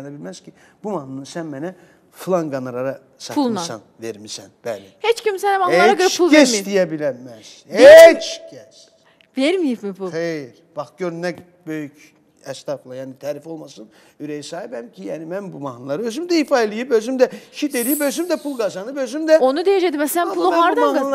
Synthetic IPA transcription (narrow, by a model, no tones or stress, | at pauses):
nabilʲmæz̥cʰi | b̥umahnunɯsænmɛnɛ | fɯlˠanɡanɯɾaɾa | saumsa̰nveɾmisænb̥æːlihet͡ʃcimsɛnɛbaneaɾaɡɯɾt͡ʃulˠeɾsd̪ijɛbilʲæmæz̥het͡ʃcʰɛs | veɾmijipmipʰulxejɾb̥axɟøɾnɛ | bøjyc | ɛst̪ʰaplˠajaːnit̪ʰæːɾifo̞lˠmasɯn | yɾejisaːhibæmcʰijaːnimænbumahnɯlˠaɾɯøzymd̪ɛifalʲˠijɯpøzymd̪ɛʃit̪eɾijipøzymd̪ɛpʰulˠɡazanɯpøzymd̪ɛonud̪ejed͡ʒɛd̪imɛselæmpulˠaɾd̪aa